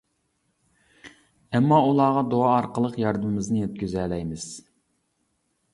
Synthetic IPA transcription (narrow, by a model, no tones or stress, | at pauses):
ɛmːɑulˠɑːʁɑd̪oɑːɾqəlˠəqjɑɾd̪ɨmɪznɨjet̪̚kʲyzɛːlɛjmɪz̥